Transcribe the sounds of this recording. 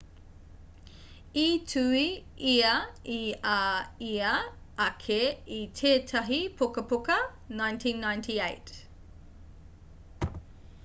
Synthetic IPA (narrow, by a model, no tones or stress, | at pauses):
itʰʉiiɐiaiɐɐkʰeitʰeːtʰɐɦipʰokɐpokɐ | najntʰĩnːajntʰiejt